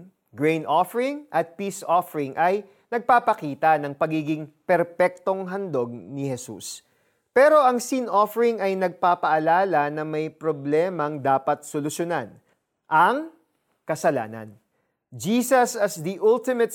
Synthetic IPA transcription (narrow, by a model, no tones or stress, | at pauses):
ɡɹejnʔofɛɹɪŋʔɐt̪̚piːsʔofɛɾɪŋʔɐj | nɐɡ̚paːpɐkiːt̪ɐnɐŋpɐɡiːɡɪŋpɛɾpɛk̚t̪o̞ŋɦɐnd̪o̞ɡ̚nɪhɛsṵs | pɛːɾo̞ʔɐŋsinʔofɛɾɪŋɐjnɐɡ̚papɐʔɐlaːlɐnɐmɐjpɾoblɛːmɐŋd̪aːpɐt̪̚solʊʃjonan | ʔɐŋ | kɐsɐla̰ːnɐ̰n | d͡ʒiːsɐsɐsd̪iʔult̪ɪmɐt̪̚